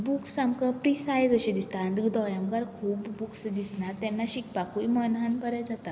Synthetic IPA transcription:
buksamkapɾisajd͡zəɕẽd̪ist̪aːnd̪əɡd̪ɔjamɡaɾkʰuːbːuksd̪isnat̪ɛ̃nːaɕik̚pakuimənɦanbəɾɛd͡zat̪a

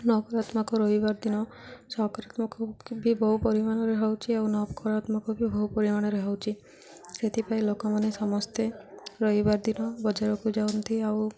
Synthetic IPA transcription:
nɔkɔɾat̪makɔɾɔɦibaɾd̪inɔsɔkɾat̪mɔkɔbʱibɔɦupɔɾimaɽ̃ɔɾeɦawt͡ʃʰiawnɔpɔkɔɾat̪mɔkɔbʱibɔɦupɔɾimaɽ̃ɔɾɔɦawt͡ʃʰi | set̪ʰipailokɔmanesɔmɔst̪eɾɔɦibaɾd̪inɔbɔd͡ʒaɾɔkud͡ʒawnt̪ʰiaw

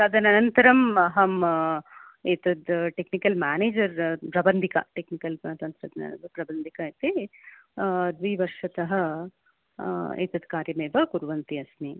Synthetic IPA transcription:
ɐd̪ɐnɐnɐnt̪ɐɾɐmɐɦɐm | eːt̪ɐd̪ʈeknikɐlmaːneːd͡ʒɐɾpɾɐbɐnd̪ʱikɐ̰ʈeknikɐlt̪ɐnt̪ɾɐd̪nɐ̰pɾɐbɐnd̪ʱikɐeːt̪eː | d̪ʋiʋɐɾʂɐt̪ɐɦɐ | ḛːt̪ɐd̪kaːɾjɐmeːʋɐkuɾʋɐnt̪iɐsni

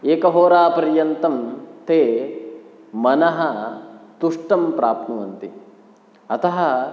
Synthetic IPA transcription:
eːkɐɦoːɾaːpɐɾjɐnt̪ɐmt̪eː | mɐnɐɦɐt̪uʂʈɐmpɾaːp̚t̪nuʋɐnt̪i | ɐt̪ɐɦɐ

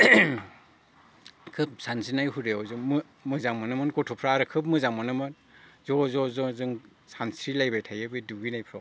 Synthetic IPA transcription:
kʰɯp̚sansinajhuɾeɔwzɯŋm | mɯzaŋmanɯmɯnkɔtʰɔpʰɾaɾɯkʰɯp̚mɯzaŋmanɯmɯn | zɔzɔzɔzɯŋ | sansɾilajbajtʰajɯbɯduɡinajpʰɾaw

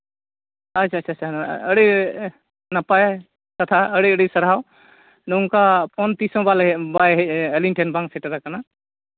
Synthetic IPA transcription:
at͡ʃʰaːt͡ʃʰaːt͡ʃʰaəɽi | napaj | kat̪ʰaəɽiəɽisəɾɦaw | nɔwŋkapʰɔnt̪isɔ̃balbajɦɛəlinʈʰɛnbaŋsɛʈaɾakana

